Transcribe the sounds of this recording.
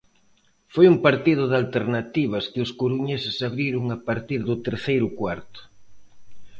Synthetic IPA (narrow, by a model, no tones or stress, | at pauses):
fojumpaɾt̪ið̞ʊðalt̪eɾnat̪iβ̞ɐskɪʊskuɾuɲesɪsaβɾiɾʊŋapaɾt̪iɾðʊt̪eɾθejɾʊkwaɾt̪ʊ̥